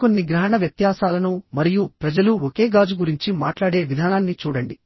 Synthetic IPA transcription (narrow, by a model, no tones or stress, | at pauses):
ko̞nːiɡɾaːɳɐʋjɐt̪jaːsaːlɐnumɐɾijupɾɐd͡ʒɐluoke̞ːɡaːd͡ʒuɡuɾiɲt͡ʃima̰ːʈlaːɽe̞ːʋid̪ʱaːnaːnːit͡ʃuːɽɐɳɖi